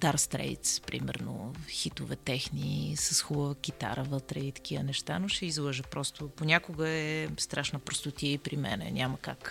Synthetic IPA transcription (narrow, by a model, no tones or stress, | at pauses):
t̪aɾst̪ɾɛ̰jt̪spɾḭmɛ̰ɾno̰xit̪ʊvɛt̪ɛxnisəsxubəvəkʲit̪a̰ɾəvət̪ɾɛit̪ɐ̥k̟ivənɛʃt̪a̰noʃɛizlˠəʒəpɾɔst̪ʊponʲakʊɡəɛst̪ɾʔaʃnəpɾost̪ʊt̪iɛipɾimɛ̰nɛ̰nʲʔaməka̰k